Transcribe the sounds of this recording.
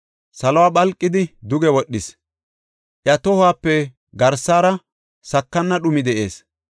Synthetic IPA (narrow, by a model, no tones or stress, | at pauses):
sɐlɔwaːɓɐlkʼːɪd̪ɪd̪ʊɡɛwɔɗːɪs | ʔjɐt̪ɔhʊaːpːɛ | ɡɐɾsːaːɾɐ | sɐkːɐnːɐɗʊmɪd̪ɛʔe̞̰ːs